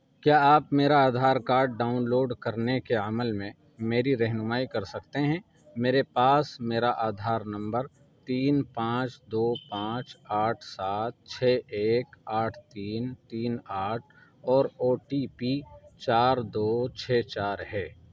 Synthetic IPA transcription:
kjaːaːpmeːɾaaːd̪ʱaːɾkaːɾɖːaːʊnloːɖkɐɾnekeəməlmẽ | meːɾiɾɛɦnʊmaːikɐɾsɐkt̪eɦɛ̃ː | meːɾepaːsmeːɾaʔaːd̪ʱaːɾnɐ̃mbəɾ | t̪iːnpãːt͡ʃd̪oːpãːt͡ʃaːʈʰsaːt̪̚t͡ʃʰɛːeːkaːʈʰt̪iːnt̪iːnaːʈʰ | ɔːɾoːʈipit͡ʃaːɾd̪oːt͡ʃʰɛːt͡ʃaːɾɦɛː

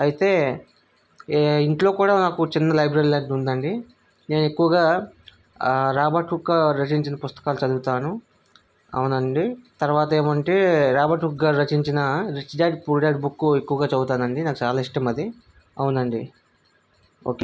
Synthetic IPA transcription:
ɐjit̪e̞ː | iɳʈlo̞ːkuːɽaːnaːkut͡ʃinːɐlɐjbɾɐɾilaːɖund̪ɐɳɖi | ne̞ːnue̞kːuʋɐɡaː | ɾaːbaʈukːaːɾɐt͡ʃiɲt͡ʃinɐpust̪ɐ̥kaːlut͡ʃɐd̪uɡut̪aːnu | ɐ̰wunɐɳɖit̪ɐɾuʋaːt̪ɐeːmɐɳʈeːɾaːbaːʈukɡaːɾɾɐt͡ʃiɲt͡ʃinɐɾit͡ʃɖaːɖpuɾɖaːʈbukːue̞kːuʋɐɡaːt͡ʃɐɡ̪ut̪aːnɐɳɖinaːkut͡ʃaːlaːiʂʈɐmɐd̪i | ɐwnd̪ɐɳɖi | oːke

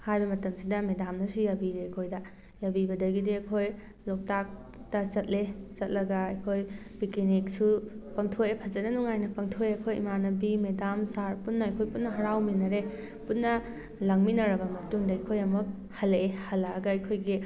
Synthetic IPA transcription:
hajbɐmɐtɐmsidɐmedamnɐsujabiɾeɐjkʰojdɐ | jabibɐdɐɡidiɐjkʰoj | lok̚tak̚ | tɐt͡ʃɐt̚let͡ʃɐt̚lɐɡɐːjkʰoj | bikinik̚supɐŋtʰojepʰɐzɐt̚nɐnuŋajnɐpɐŋtʰojeɐkʰojḭmanɐbimedamsaɾputnːɐɐjkʰojputnɐɦɐɾawminɐɾe | putnːɐ | lɐŋminɐɾɐbɐmɐtuŋdɐɐjkʰojɐmuk̚ | hɐleehɐlːɐɐɡɐɐjkʰojɡi

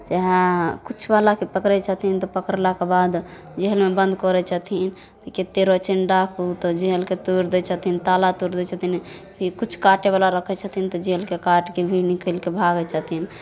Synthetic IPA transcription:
d͡ʒɛɦɛ̃kut͡ʃʰbalakepəkɾɛt͡ʃʰət̪int̪ɔpəkəɾlakebad̪ | d͡ʒeɦəlmebə̃nd̪kɔɾɛt͡ʃʰət̪in | t̪ɔket̪ːeɾot͡ʃenɖakʰut̪ɔd͡ʒeɦəlket̪uɾd̪ɛt͡ʃʰət̪int̪alat̪uɾd̪ɛt͡ʃʰət̪ʰinpʰiɾkut͡ʃʰkaʈeβalaɾəkʰɛt͡ʃʰət̪ʰint̪ɔd͡ʒeɦelkekaʈkebʱinikəlkebʱaɡɛt͡ʃʰət̪in

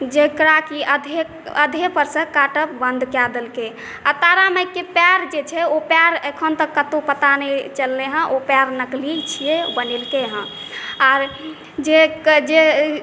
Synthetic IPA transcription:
d͡ʒekɾakiəd̪ʱe | ə̰d̪ʱepəɾsə̃kaʈəp̚bənd̪kad̪elke | a̰t̪aɾaməjkːepaɾd͡ʒet͡ʃʰɛopaɾəkʰənt̪əkːət̪opət̪anɛt͡ʃəlːeɦə̃ʔopaɾnəklit͡ʃʰijebənelkeɦə̃ | aɾ | d͡ʒekd͡ʒe

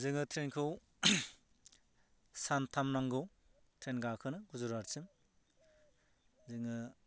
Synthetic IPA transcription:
zɯŋɯtʰɾenkʰɯw | santʰamnaŋɡɯw | tʰɾenɡakʰɯnɯɡuzuɾaɾsim | zɯŋɯ

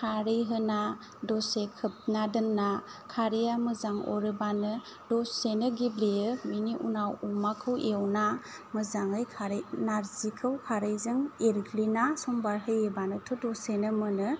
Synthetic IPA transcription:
kʰaɾiɦɯna | dɔsekʰɯp̚nadɯnːakʰaɾijamɯzaŋɔ̰ɾɯbanɯ | dɔsenɯɡiblijɯminiʔṵnawumakʰɯwewna | mɯzaŋɯjkʰaɾnaɾzikʰɯwkʰaɾɯjzɯŋeɾkʰlinasɔmbaɾɦɯjebanɯtʰudɔsenɯmɯnɯ

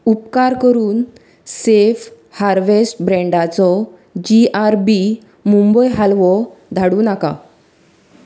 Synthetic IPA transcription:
upkaɾkəɾuːn | sef | haɾʋesʈbɾɛ̃ɳɖat͡sɔ | d͡ʑiaɾbi | mumbəjɦalʋɔd̪ʱaɽuːnaka̰

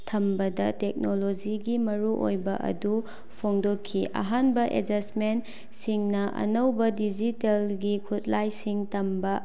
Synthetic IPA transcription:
tʰɐmbɐdɐtek̚nolod͡ʒiɡimɐɾuʔo̰jbɐ̰ʔɐ̰du | pʰoŋdokʰːiʔɐ̰ɦanbɐʔḛd͡ʒɐsmen | siŋnɐʔɐ̰nɐwbɐdid͡ʒitelɡikʰutlajsiŋtʰɐmbɐ

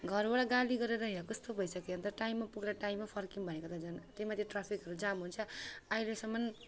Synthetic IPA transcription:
ɡʱʌrbaɽaɡaliɡʌɾeɾʌɦijãkʌst̪obʱʌjsʌkeʌnt̪ʌʈaimːapuɡɾaʈaimːapʰʌrkiŋbʱʌnekot̪ad͡zʌnt̪emat̪ʰjeʈrapʰikɦʌɾud͡zamɦunt͡sʰʌailesʌmːʌn

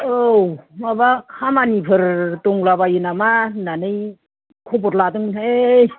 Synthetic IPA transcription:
owmabakʰamanipʰɯɾtuŋlabajɯnamananɯj | kʰɔbɔtladɯŋneej

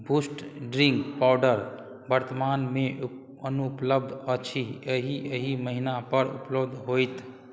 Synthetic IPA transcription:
bʱusʈɖɾiŋkpawɖəɾ | bəɾt̪əmanmẽ | ənupləbd̪ʱət͡ʃʰiəɦiəɦiməɦinapəɾṵpləbd̪ʱɦojt̪

